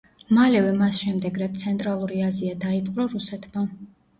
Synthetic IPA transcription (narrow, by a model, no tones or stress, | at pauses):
malɛvɛmasʃɛmd̪ɛɡɾat̪̚t̪sʰɛnt̪ʼɾalˠuɾiaziad̪aipʼqʼɾɔɾusɛt̪ʰma